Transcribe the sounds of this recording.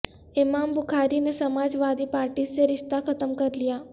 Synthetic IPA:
ɪmaːmbʱʊkʰaɾinesəmaːd͡ʒʋaːd̪ipaːɾʈiːseɾɪʃt̪akʰət̪əmkəɾlijaː

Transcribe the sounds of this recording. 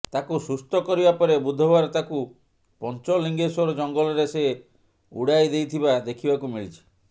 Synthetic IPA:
t̪akusust̪ɔkɔɾibapɔɾebud̪ʱːɔbaɾɔt̪aku | pɔnt͡ʃɔliŋɡesɔɾɔd͡ʒɔŋɡɔlɔɾese | ṵɽajd̪ejt̪ʰibad̪ekʰibakumiɭit͡ʃʰi̥

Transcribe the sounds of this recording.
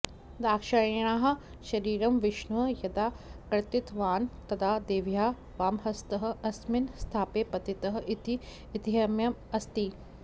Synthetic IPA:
d̪aːkʃɐjɐɳaːɦɐ̆ | ʃɐɾiːɾɐmʋɪʃɳʋɐjɐd̪aːkɾt̪it̪ʋaːnt̪ɐd̪ʰaːd̪eːʋjaː | ʋaːmɦɐst̪ɐɦɐ̆ɐsminst̪ʰaːpeːpɐt̪it̪ɐɦɐ̆ʔit̪iː | t̪iɦɐmjɐmɐst̪i

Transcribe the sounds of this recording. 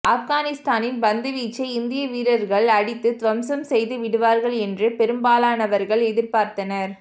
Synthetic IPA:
ʔɐfɣaːnɪst̪aːnɪnbɐnd̪ɯʋiːt͡ʃːɐɪɪnd̪ɪjɐʋiːɾɐɾɣɐɭɐɽɪt̪ːɯt̪ʋɐmsɐmsɛjðɯʋɪɽɯʋaːɾɣɐɭɛndrɯpɛɾɯmbaːlaːnɐʋɐɾɣɐɭɛðɪɾpaːɾt̪ɐnɐɾ

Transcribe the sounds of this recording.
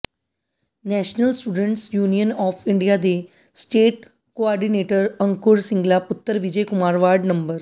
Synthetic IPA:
nɛːʃnəlsʈuːɖə̃ɳʈsjuːnijənɔːfʰɪɳɖijaːd̪eː | sʈeːʈ̚ | koaːɾɖineːʈəɾə̃ŋkʊɾsɪ̃ŋɡlaːpʊt̪ːəɾʋɪd͡ʒejkʊmaːɾʋaːɾɖnəmbəɾ

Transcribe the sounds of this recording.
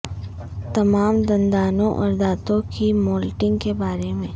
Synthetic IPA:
t̪ɐmaːmd̪ɐ̃nd̪aːnõʔɔ̰ːɾd̪aːt̪õkimoːlʈɪ̃ŋɡkebaːɾemẽː

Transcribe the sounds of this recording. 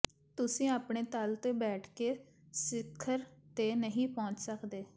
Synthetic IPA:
t̪ʊsĩːaːpɳeːt̪əlt̪eːbɛːʈʰkeː | sɪkʰːəɾt̪eːnəɦĩːpɔ̃ːɲt͡ʃsəkd̪eː

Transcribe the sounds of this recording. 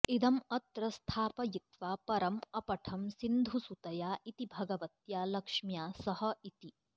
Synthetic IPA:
id̪ɐmɐt̪ɾɐst̪ʰaːpɐjit̪ʋaːpɐɾɐmɐpɐʈʰɐmsind̪ʱusut̪ɐjaːit̪ibʱɐɡɐʋɐt̪jaːlɐkʂmjaːsɐhɐit̪i

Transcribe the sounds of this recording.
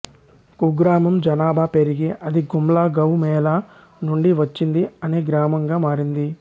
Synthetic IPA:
kuɡɾaːmɐmd͡ʒɐnaːbʱaːpeɾiɡiʔɐd̪iɡumlaːɡɐwmɛːla | nuɳɖiʋɐt͡ʃːind̪iɐneːɡɾaːmɐŋɡaːmaːɾind̪i

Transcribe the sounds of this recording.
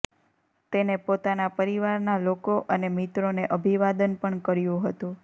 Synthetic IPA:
t̪enepot̪anapəɾiʋaɾnalokoʔənemit̪ɾoneʔəbʱiʋad̪ənpəɳkəɾjũɦət̪ũ

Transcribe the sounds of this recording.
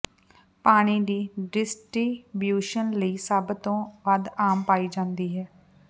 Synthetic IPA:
paːɽ̃iːd̪iːɖɪsʈɾiːbjuːʃənləiːsabt̪õːʋəd̪aːmpaːiːd͡ʒãːnd̪iːɦɛː

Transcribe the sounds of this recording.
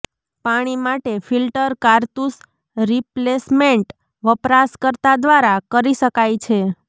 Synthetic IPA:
paɽ̃imaʈefilʈəɾkaɾt̪us | ɾiplesmeɳʈ | ʋəpɾaskəɾt̪ad̪ʋaɾakəɾiʃəkajt͡ʃʰe

